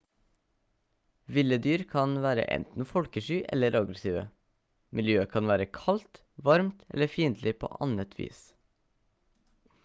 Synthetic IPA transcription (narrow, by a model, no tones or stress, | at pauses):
ʋɪləd̪yːɾkʰɑnʋæːɾə̰ʔɛ̰nt̪n̩fɔlkəʃyːʔɛ̰ləɾʔɑɡɾɛsiːʋə̰ | mɪljøːəkʰɑnʋæːɾəkʰɑlt̪ | ʋɑɾmt̪ɛ̰ləfiːnd̪lɪpʰo̰ːʔɑnət̪ʰʋḭːs